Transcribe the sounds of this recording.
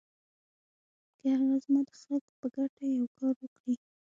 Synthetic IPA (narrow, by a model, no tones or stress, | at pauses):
kəhaɣaɣazmɑd̪əxaləkpəɡaʈajawkɑɾwəkɽi